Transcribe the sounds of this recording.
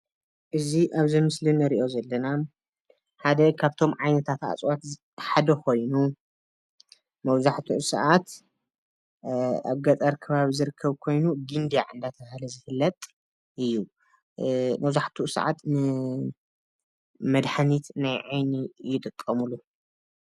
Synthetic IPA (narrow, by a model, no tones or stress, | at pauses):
ʔɨziʔaβzɐmɨslinɐɾiʔo̞zɐlːɐna | ħad̪ɐkʰaβt̪ʰo̞mʕajnɐt̪ʰat̪ʔa̰t͡sʼwat̪ | ħad̪ɐkʰo̞jnu | mɐβzaħt̪ʰuʔsɐ̰ʔat̪ | a̰βɡɐt̪ʼɐɾkʰːɐβaβizɨɾɨkʰːɐβkʰo̞jnuɡɨnd̪aʕɨ̰nd̪at̪ʰɐβahlɐzɨhɨlːɐt̪ʼ | ʔɨjːu | mɐwzaħt̪ʰuʔsɐ̰ʕa̰t̪nɨ | mɐd̪ħanit̪najʕajnijɪt̪ʼɨt̪ʼɐmulu